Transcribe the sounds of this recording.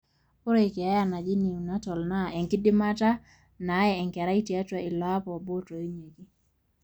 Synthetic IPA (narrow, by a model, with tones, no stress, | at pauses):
po˦ɾe˦˨i˨kɛ˨a˦ja˦na˨d͡ʒi˦ne˨u˨na˦tɔ˨lna˦ɛ˨ŋkɪ˦dɪ˦ma˦ta˦ | na˨˦ɛ˨ɛ˨ŋkɛ˨ɾa˦i˦tja˦ta˨ɪ˨lɔ˨˦a˦pɔ˨bo˦to˨i˦ɲe˨ki˦